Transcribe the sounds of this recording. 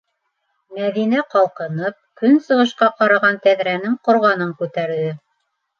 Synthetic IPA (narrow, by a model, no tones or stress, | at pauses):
mæðinæqɑlˠqɤ̆nɤp̚kɵnsɤ̆ʁɤ̆ʃqɑqɑɾɑʁɑnt̪æðɾænɘŋqŏɾʁɑnɤŋkʉt̪æɾðɘ